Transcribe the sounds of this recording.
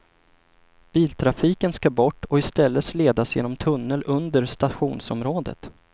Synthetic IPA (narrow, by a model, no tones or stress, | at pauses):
b̥iːlt̪ʰɾafiːkənskabɔʈːɔɪst̪ɛlːəsleːd̪asjḛːnɔmt̪ʰɵnːəlʔɵnd̪əɾst̪aɧuːnsɔmɾoːd̪ə̰t̪